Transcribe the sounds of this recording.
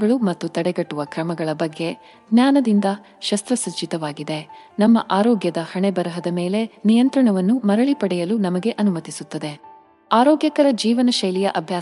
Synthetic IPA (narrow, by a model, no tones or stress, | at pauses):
ɡɐɭumɐt̪ːut̪ɐɽeɡɐʈːuʋɐkɾɐmɐɡɐɭɐbɐɡːe̞ | ɡnjaːnɐd̪ind̪ɐ | ʃɐst̪ɾɐsɐt͡ʃːit̪ɐʋaːɡid̪e̞nɐmːɐʔaːɾɔːɡjɐd̪ɐhɐɳebɐɾɐɦɐd̪ɐme̞ːle̞nijɐnt̪ɾɐɳɐʋɐnːumɐɾɐɭipɐɽɛjɐlunɐmɐɡe̞ʔɐnumɐt̪isut̪ːɐd̪e̞ | aːɾɔːɡjɐkɐɾɐd͡ʒiːʋɐnɐʃɐjlijɐʔɐbʱjaː